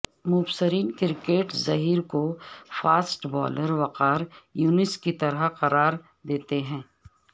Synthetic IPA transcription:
mʊbsəɾiːnkɪɾkeːʈzɐɦiːɾkofaːsʈbɔ̰ːləɾʋɐqaːɾjuːnɪskit̪ɐɾəqɐɾaːɾ | d̪eːt̪eɦɛ̃ː

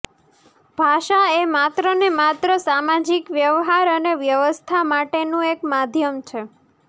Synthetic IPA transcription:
bʱaʃaemat̪ɾənemat̪ɾəsamad͡ʒikʋjəʋɦaɾəneʋjəʋəst̪ʰamaʈenũekmad̪ʱjəmt͡ʃʰe

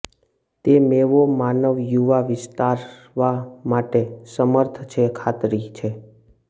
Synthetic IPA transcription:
t̪emeʋomanəʋjuʋaʋɪst̪aɾ | ʋamaʈesəməɾt̪ʰt͡ʃʰekʰat̪ɾit͡ʃʰe

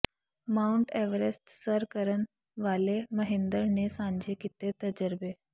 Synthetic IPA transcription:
mauɳʈɛʋəɾesʈsəɾkəɾən | ʋaleməɦend̪əɾnesãɲd͡ʑʱekit̪et̪əd͡ʑəɾbe

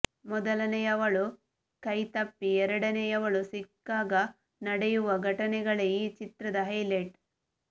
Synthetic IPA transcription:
mɔd̪ɐlɐnɛjɐʋɐɭu | kɐjt̪ɐpːiɛɾɐɽɐnɛjɐʋɐɭusikːaːɡɐ | nɐɽɛjuʋɐɡʱɐʈɐnɛɡɐɭeit͡ʃit̪ɾɐd̪ɐɦɐjleʈ

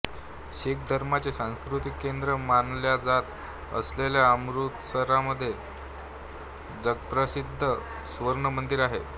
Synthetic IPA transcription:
ɕek̚d̪ʱəɾmat͡sesãw̃skɾut̪ikːend̪ɾəmanljad͡zat̪ | ə̰sleljaəmɾut̪səɾaməd̪ʱːje | d͡zəɡpɾəsid̪ʱːə | sʋəɾɳəmənd̪iɾaɦḛ

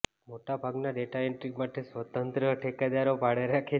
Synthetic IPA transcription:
moʈabʱaɡnaɖeʈaeɳʈɾikmaʈʰesʋət̪ənt̪ɾəʈʰekad̪aɾobʱaɽeɾakʰe

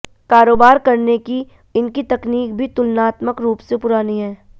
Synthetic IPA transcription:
kaːɾoːbaːɾkɐɾneki | ɪnkit̪ɐkniːkbʱit̪ʊlnaːt̪məkɾuːpsepʊɾaːniɦɛː

